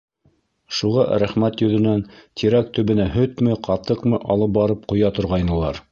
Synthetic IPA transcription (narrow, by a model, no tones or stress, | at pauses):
ʃuʁɑɾæχmæt̪jɵ̆ðɘ̆nænt̪ʰiɾækt̪ɵ̆βɘ̆næɦɵt̪mɘqɑt̪ɤqmɤʔɑlˠɤp̚bɑɾɤp̚qŏjɑt̪ŏɾʁɑjnɤ̆lˠɑ̰ɾ